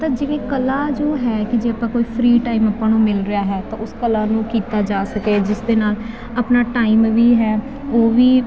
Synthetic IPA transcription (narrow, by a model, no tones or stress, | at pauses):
t̪ãːd͡ʒeːɽeːkəlaːd͡ʒoːɦɛːkɪd͡ʒeːəpãːkoːiːpʰɾiːʈaːiːməpːãːnõːmɪlɾɪjaːɦɛːt̪ãːʊskəlãːnũːkiːt̪aːd͡ʒaːsəkeːd͡ʒɪsd̪eːnaːl | əpnaːʈaːiːmʋiːɦɛː | oːʋiː